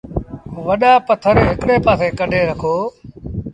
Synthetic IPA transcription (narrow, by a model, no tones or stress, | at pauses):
ʋəɗaːpət̪ʰəɾɦɪkɽeːpaːseːkəɗʱeːɾəkʰoː